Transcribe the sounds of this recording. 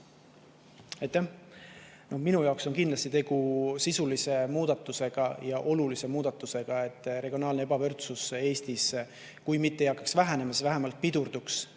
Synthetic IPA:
ɑjt̪ːæh | no̞hminujɑokso̞nkind̪lɑst̪it̪e̞ɡ̥usisulise̞muːd̪̥ɑt̪ːˑuse̞ɡ̥ɑjɑʔo̞lulise̞muːd̪̥ɑt̪ːˑuse̞ɡ̥ɑe̞t̪ːˑɾe̞ɡijo̞nɑːlnee̞bɑvø̞rt̪suse̞ːst̪is | kujmit̪ːejɑkːˑɑksvæɦænemɑsvæɦemɑlt̪̚pid̪̥urd̪uks

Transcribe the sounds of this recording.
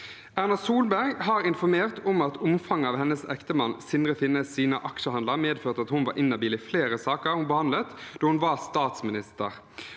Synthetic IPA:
æʁnɑsuːlbæɾɡɦɑːɾɪnfɔɾmeːʁt̪ʰɔmɑt̪ʊmfɑŋːɑːʋhɛnːəsɛkt̪əmɑnsɪnɾəfɪnːəsiːnəʔɑkʃəhɑnd̪əʁmeːd̪føːʁt̪əɑt̪hʊnʋɑ̰ɾʔɪnːɑbiːlɪfleːɾəsɑːkəhʊnbəhɑnd̪lət̪d̪oːhʊnʋɑst̪ɑːt̪smɪnɪst̪ə̰ʁ

